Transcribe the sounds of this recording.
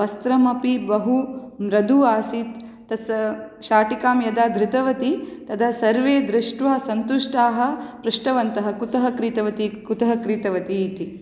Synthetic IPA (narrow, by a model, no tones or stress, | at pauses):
ʋɐst̪ɾɐmɐpibɐɦumɾɐd̪uaːsit̪ː | ɐsʃaːʈikaːmjɐd̪aːd̪ɾɪt̪ɐʋɐt̪it̪ɐt̪ʰasɐɾʋeːd̪ɾɪʂʈʋaːsɐnt̪uʂʈaːɦɐ̆pɾɪʂʈɐʋɐnt̪ɐɦɐkut̪ɐɦɐkɾiːt̪ɐʋɐt̪ikut̪ɐɦɐkɾiːt̪ɐʋɐt̪iːt̪i